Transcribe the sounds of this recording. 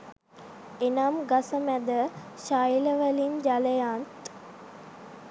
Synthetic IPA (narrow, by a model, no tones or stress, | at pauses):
enamɡasəmæd̪əʃajləʋəlimd͡ʒaləjaːnt̪